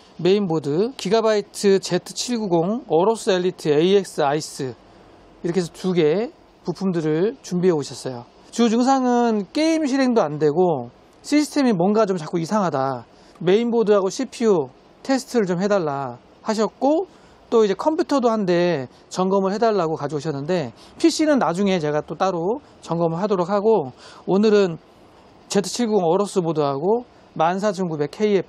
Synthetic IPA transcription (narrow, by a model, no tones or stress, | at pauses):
me̞imbodɯkiɡabaitʰɯt͡ɕe̞tʰɯ̥t͡ɕʰiɭɡuɡoŋʌɾos͈ɯelːitʰɯeiek̚s͈ɯais͈ɯ | iɾʌkʰes̬ʰʌtuɡe̞ | pupʰumdɯɾɯɭt͡ɕumbiɦeboɕʰʌs͈ʌjo | t͡ɕud͡ʑuŋs̬ʰaŋɯnk͈e̞imɕ̬ʰiɾɦe̞ŋdoandwe̞ɡo | ɕʰisʰɯ̥tʰe̞mimwʌnɡat͡ɕomt͡ɕak͈uisʰaŋɦada | me̞inbodɯɾaɡoɕʰipʰio | tʰe̞sʰɯ̥tʰɯɾɯɭt͡ɕomhe̞daɭːa | haɕ̬ʰʌt̚k͈o | t͈oid͡ʑe̞kʰʌmpʰutʰʌdohande̞ | t͡ɕʌŋɡʌmɯɭhe̞daɭːaɡokad͡ʑiɡoɕʰʌnːɯnde̞ | pʰiɕ͈inɯnːad͡ʑuŋe̞t͡ɕe̞ɡat͈ot͈aɾo | t͡ɕʌŋɡʌmɯɭɦadoɾok̚ʰhaɡoonɯɾɯn | t͡ɕe̞tʰɯ̥t͡ɕʰiɭɡuŋʌɾʌs͈ɯbodoɦaɡo | mans̬ʰad͡ʑɯŋɡube̞kʰe̞ie